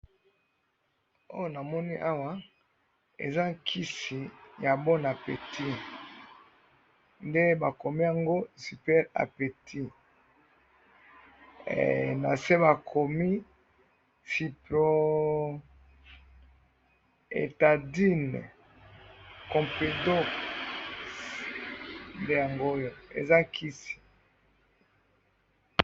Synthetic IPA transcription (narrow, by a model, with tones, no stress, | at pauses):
o̰˦jo˦na˨mɔ˦ni˦ʔa˦wa˦ | ḛ˨za˦kʰi˦si˨ja˨bɔ˦na˨pḛ˨tʰi˦ | nde˦ba˨ko˨mi˦ja˨ŋɡo˦si˨pɛ˦ʁa̰˨pe˨tʰi˦˨ | na˨se˦ba˨kʰo˨mi˦ | fi˨plo˦ | ḛ˨ta˨di˦n˨ | kɔ̃˨pe˨do˦k | nde˦ja˨ŋɡo˦jo˨ḛ˨za˦kʰi˦si̥˨